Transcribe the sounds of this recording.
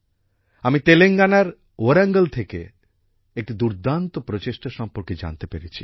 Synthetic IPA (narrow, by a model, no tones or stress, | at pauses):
amit̪eleŋɡanaɾ | oɾaŋɡelt̪ʰekḛ | ek̚ʈid̪uɾd̪ʱant̪opɾot͡ɕeʃʈaʃɔmpoɾked͡ʑa̰nt̪epeɾet͡ɕʰi̥